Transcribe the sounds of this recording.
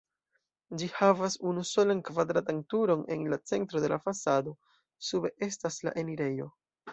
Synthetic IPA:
d͡ʒihavasunuso̞lankvad̪ɾatantuɾo̞ne̞̰nlat͡se̞ntɾo̞de̞lʔafasado̞ | sube̞ʔe̞stasla̰ʔe̞niɾe̞jo̞

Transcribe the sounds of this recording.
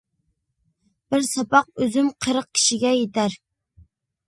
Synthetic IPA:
b̥ɪɾsɑpɑq̚øzymqʰəɾəq̚kʲʰi̥ʃiɡʲɛjet̪ʰæɾ

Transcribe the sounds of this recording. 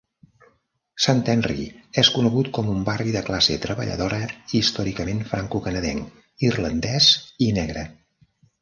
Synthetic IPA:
sant̪ɛnrḭɛskunəɣut̪kɔmumbariðəklasḛt̪ɾəβə̰ʎə̰ðoɾəist̪ɔɾikəmenfɾaŋkukənəðɛ̰ŋ | irlənd̪ɛzinɛɣɾə

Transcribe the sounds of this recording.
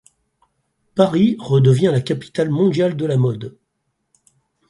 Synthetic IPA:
paʁiʁəd̪əvjɛ̃lakʲapi̥t̪almɔ̃d̪jald̪əlamɔd̪

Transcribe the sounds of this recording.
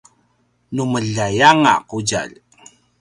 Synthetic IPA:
numəɮajaŋa̰quɟa̰l

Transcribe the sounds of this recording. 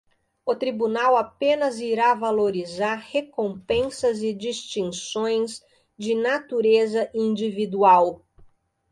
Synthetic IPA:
ʊt̪ɾibunawapẽnɐziɾavaloɾizaɾhekõpẽsɐzɪd͡ʒist͡ʃĩŋsõj̃z | d͡ʒɪnat̪uɾezɐʔĩd͡ʒivid̪uaw

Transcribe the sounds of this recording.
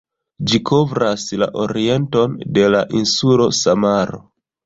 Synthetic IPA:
d͡ʒikʰo̞vɾasla̰ʔo̞ɾie̞nto̞nde̞laʔinsulo̞samaɾo̞̰

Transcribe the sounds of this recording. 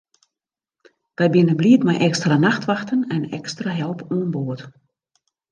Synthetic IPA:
d̥ɛjbɪnənbliətmɛjʔɛkstranaxtʋaxtənɛnɛ̰kstraɦɛlˠpuənboət

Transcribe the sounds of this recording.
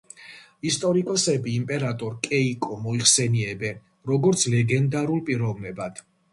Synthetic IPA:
ist̪ʼɔɾikʼɔsɛbiːmpʼɛɾat̪ʼɔɾkʼɛikʼɔmɔiχsɛniɛbɛn | ɾɔɡɔɾt̪sʰlɛɡɛnd̪aɾulˠpʼiɾɔvnɛbad̪̥

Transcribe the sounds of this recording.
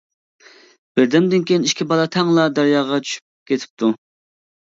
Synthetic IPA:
b̥ɪɾd̪ɛmd̪ɪnkʲejiniʃkʲibɑlˠɑt̪ʰɛŋlˠɑd̪æɾjɑːʁɑt͡ʃʰy̥ʃy̥p̚kʲet̪ʰɪ̥p̚t̪ʰu

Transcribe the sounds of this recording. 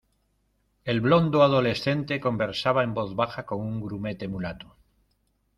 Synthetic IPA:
e̞lβlo̞nd̪oaðo̞le̞sθe̞nt̪e̞ko̞mbeɾsaβaembo̞θβaxako̞ŋuŋɡɾume̞t̪emulat̪u̥

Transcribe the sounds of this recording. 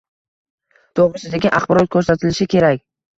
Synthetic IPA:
d̪̥oʁʁɨʃɪd̪aɡʲɪʔaχbɒɾɒt̪̚kʰɵɾsat̪ʰɪlɪʃɪkʲʰe̞ɾakʲ

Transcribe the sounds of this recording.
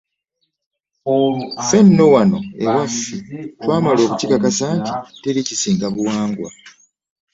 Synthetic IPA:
fe̞nːo̞wano̞̰ḛwafːitwaːmalo̞ːkucikakasaːnti̥te̞ɾicisiːŋɡaβuwaːŋɡwa̰

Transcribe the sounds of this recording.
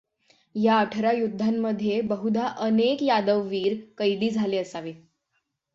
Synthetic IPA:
jaəʈʰɾajud̪ʱːamːəd̪ʱːjebəɦud̪ʱaʔənekjad̪əʋːiːɾkəjd̪iːd͡zʱaleəsaʋe

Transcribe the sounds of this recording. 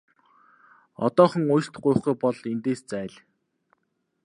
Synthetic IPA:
ɔ̰t̪ɔːχɞ̆ŋʊj̆ɬt̪̆χɢʊj̆χɡujpɔɮent̪eːst͡sæːɮ

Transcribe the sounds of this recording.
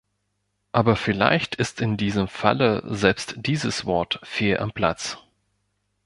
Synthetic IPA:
ʔaːbɐfɪla̰ɪçtʰɪstɪndiːzəmfa̰lə̰zɛlpstd̥iːzəsv̥ɔɐtfeːʔa̰mpl̥a̰t͡s

